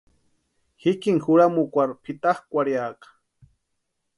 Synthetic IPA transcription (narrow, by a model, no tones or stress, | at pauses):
hikiŋxuɾamukʷaɾpʰit̪aχkʷaɾjaːqḁ